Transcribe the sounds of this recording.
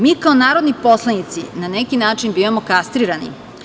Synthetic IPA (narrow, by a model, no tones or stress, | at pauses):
miːkaonaːɾo̞d̪nipo̞slˠanit̪sinanekinaːt͡ʂinbiːʋamokast̪ɾiɾanḭ